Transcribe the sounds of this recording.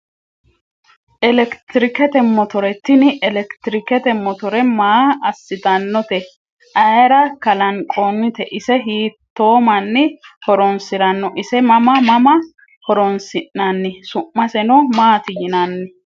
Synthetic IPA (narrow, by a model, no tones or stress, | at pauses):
ʔɛlɛkt̪ɪɾɪkɛt̪ɛmːɔt̪ɔɾɛt̪ːɪnɪʔɛlɛkt̪ɪɾɪkɛt̪ɛmːɔt̪ɔɾɛmaːɐsːɪt̪ɐnːɔt̪ɛ | ʔɐjɾɐkɐlɐŋkʼɔnːɪt̪ɛʔɪsɛɦiːt̪ːo̞ːmɐnːɪhɔɾɔnsɪɾɐnːɔʔɪsɛmɐmɐmɐmɐ | hɔɾɔnsɪnːɐnːɪsʊʔːɐsɛnɔmaːt̪ɪjɪnɐnːɪ